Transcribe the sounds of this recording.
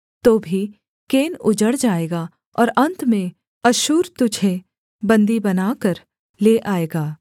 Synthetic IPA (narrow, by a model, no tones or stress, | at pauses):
t̪oːbʱi | keːnʊd͡ʒəɽd͡ʒaːeːɡa | ɔ̰ːɾɐ̃nt̪mẽ | ɐʃuːɾt̪ʊd͡ʒʱe | bɐ̃nd̪ibɐnaːkəɾ | leːʔaːeːɡaː